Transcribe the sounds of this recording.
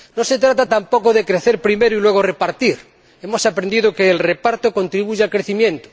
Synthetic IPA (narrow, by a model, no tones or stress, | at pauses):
nose̞t̪ɾat̪at̪ampokoðekɾeθeɾpɾimeɾoilwe̞ɣorepaɾt̪iɾ | e̞mo̞sapɾẽnd̪iðokeːlrepaɾt̪oko̞nt̪ɾiβuʝealkɾeθimjẽ̞nt̪o̥